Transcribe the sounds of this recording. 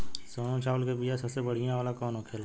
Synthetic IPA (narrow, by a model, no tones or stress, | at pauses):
soːnõt͡ʃaːʋəlkebijasɐbsebəɽ̤ijãoːlakɔːnokʰeːla